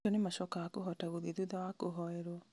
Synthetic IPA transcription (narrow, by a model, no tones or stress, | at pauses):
ɔnemaʃɔkaakoɦɔtaɣoðeðuðawakoɦɔɛɾwɔ